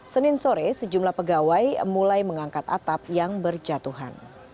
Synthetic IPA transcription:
sənɪnsoɾɛsəd͡ʒumlahpəɡawajmulajməŋaŋkat̪a̰t̪ap̚jaŋbərd͡ʒat̪uɦa̰n

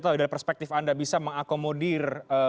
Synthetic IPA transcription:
t̪audalipərspɛk̚t̪ɪfandabisaməŋakomodirə

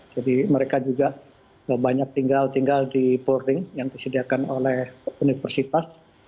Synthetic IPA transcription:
d͡ʒadiməɾekad͡ʒuɡa | əbaɲak̚t̪iŋɡalt̪iŋɡaldiporɪŋjaŋdisədiakano̰lɛhunifərsit̪as

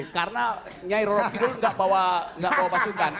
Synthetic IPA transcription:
karəna | ɲaiɾɔɾɔfidʊlŋɡaʔbawaŋɡaʔbawapasukan

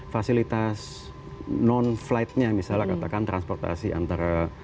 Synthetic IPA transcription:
fasilit̪as | nɔnflaɪt̪̚ɲamisalakat̪akant̪ɾanspɔrt̪a̰sia̰nt̪aɾa

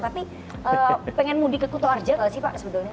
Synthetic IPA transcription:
t̪api | ʔəːpɛŋɛnmudikəkut̪oard͡ʒakalsɪhpa̰ʔsəbət̪ʊlɲa

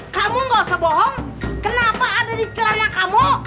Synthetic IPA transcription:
kamuŋɡasəbɔɦɔŋ | kənapaːdadit͡ʃəlanakamu

